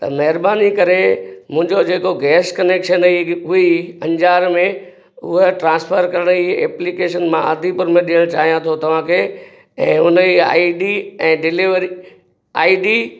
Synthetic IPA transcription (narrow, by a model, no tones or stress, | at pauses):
t̪ɐ̰mɐɦɪɾbaːnikɐɾemʊ̃ɦɪ̃ɲd͡ʑod͡ʑeːkoɡɛːskɐneːkʃəniɦʊiɐ̃ɲd͡ʑaːɾmẽ | ʊ̰ɦəʈɾãːspʰəɾkɐɾəɽ̃iɛːplikeːʃənmãɐd̪ʱipɐɾmẽɗiəɽ̃t͡ɕaːɦijãt̪ʰot̪ɐʋ̤ãkʰeː | ɛ̃ːʊnəia̰ːiɖiɛ̃ːɖɪliʋəɾi | aːiɖi